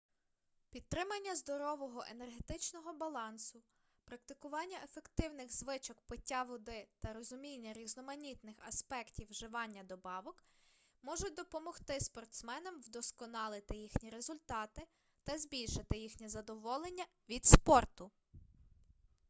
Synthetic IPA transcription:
pʲid̪̚t̪ːɾɪmɐnʲːɐzd̪ɔɾɔʋɔɦɔʔenerɦet̪ɪt͡ʃnɔɦɔbɐlˠɑnsʊ | pɾɐk̚t̪ɪkʊʋɑnʲːɐʔefekt̪ɪwnɪɣzʋɪt͡ʃɔkpɪtʲːaʋʊd̪ɪt̪ɐɾɔzʊmʲinʲːɐɾʲiznɔmɐnʲit̪nɪxɐspɛktʲiwʒɪʋɑnʲːɐd̪ɔbɑʋɔk | mɔʒʊd̪ɔpɔmɔxt̪ɪspɔrt̪smɛnɔmwd̪ɔskɔnɑlˠɪt̪ɪjixnʲiɾezʊlʲt̪ɑt̪ɪ | t̪ɐzbʲilʲʃɪt̪ɪjixnʲizɐd̪ɔʋɔlˠenʲːɐ | ʋʲid̪spɔrt̪ʊ

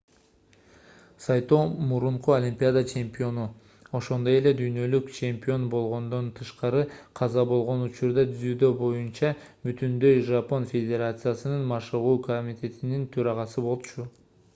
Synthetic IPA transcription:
sɑjt̪oːmuɾuɴquolʲimʲpʲiad̪at͡ʃe̞mʲpʲio̞nu | o̞ʃo̞nd̪o̞je̞le̞d̪yjnø̞lykt͡ʃʰe̞mpʲio̞nbo̞lˠʁo̞nd̪o̞nt̪ʰɯʃqɑɾɯqʰɑzɑbo̞lˠʁo̞nut͡ʃuɾd̪ɑt̪ʰyzyːd̪ø̞bo̞junt͡ʃɑ | byt̪ynd̪ø̞jʒɑpo̞nfʲe̞d̪ʲe̞ɾat̪sɨjasɯnɯnmɑʃɯʁuːkomʲit̪ʲe̞t̪inint̪ʰøɾɑʁɑsɯbo̞lˠt͡ʃu

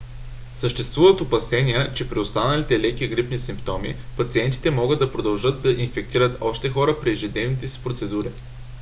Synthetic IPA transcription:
səʃt̪ɛst̪vuvət̪opɐsɛniət͡ʃɛpɾiost̪anɐlit̪ɛlɛkiɡɾipnisimpt̪ɔmḭpɐt̪siɛnt̪i̥t̪ɛmɔɡɤəd̪ːɐpɾod̪ɐlˠʒɤd̪d̪ɐʔinfɛk̚t̪iɾət̪ɔʃt̪ɛxɔɾəpɾiɛʒɛd̪ɛnit̪ɛsi̥pɾot̪sɛd̪uɾi

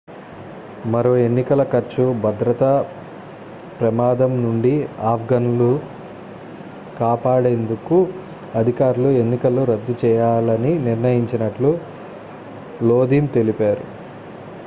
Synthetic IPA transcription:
mɐɾoːe̞nːikɐlɐkɐɾt͡ʃubʱɐd̪ɾɐt̪ɐ | pɾɐmaːd̪ɐmnuɳɖiaːpʰɡɐnulu | kaːpaːɽe̞nd̪uku | ɐd̪ʱikaːɾulue̞nːikɐlːuɾɐd̪ːut͡ʃɛːjaːlɐniniɾnɐjiɲt͡ʃinɐʈlu | lo̞ːd̪iːmt̪e̞lipaːɾṵ

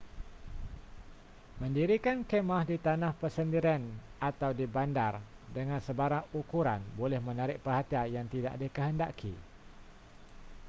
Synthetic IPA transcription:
mə̃ndiɾikankemahdit̪anãhpərsəndiɾianat̪awdibandardəŋãnsəbaɾaŋukuɾanbolɛhmənaɾɪʔ̚pərhat̪iajaŋt̪ida̰ʔdəkəɦənda̰kʰḭ

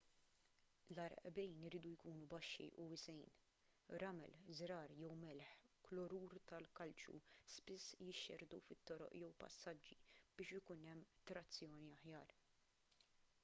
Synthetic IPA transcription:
lɐɾʔbɛjnɪɾiːd̪ujkuːnubɐʃːḭʔʊwɪsɛjn | ɾɐmɛ̰lzɾɐːɾjɛwmɛlħklɔɾuːɾt̪ɐlkɐlt͡ʃṵspɪsːjɪʃːɛɾd̪ṵfɪt̪ːɔɾɔ̰ʔjɛwpɐ̰sːɐd͡ʒːib̥ɪːʃɪkʊnɛmːt̪ɾɐt͡sːjɔːniɐħjɐːɾ

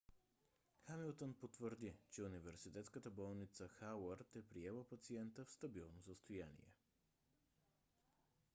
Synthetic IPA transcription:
xamilˠt̪onpot̪vəɾd̪it͡ʃɛunivɛɾsit̪ɛt̪skət̪əbɔlˠnit̪səxawəɾt̪ɛpɾiɛlˠəpɐt̪siɛnt̪əfst̪ɐbilˠnosəst̪ʊjanḭɛ̰

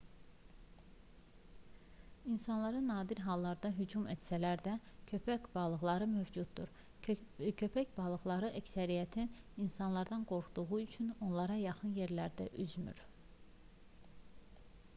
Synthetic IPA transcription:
insɑnlˠɑɾɯnːɑːd̪iɾɦɑlˠːɑɾd̪ɑɦyd͡ʒumæt̪sælæɾd̪æcʰøpæbɑlˠɯɣlˠɑɾɯmøvd͡ʒud̪̚ːṵɾ | cʰø̞pʰæcbɑlˠɯɣlˠɑɾɯʔæcsæɾijæt̪ʰin | insɑnlˠɑɾd̪ɑnɡo̞ɾxud̪̥uɣuyt͡ʃʰyno̞nlˠɑɾɑjɑχɯnje̞ɾlæɾd̪æʔyzmy̰ɾ

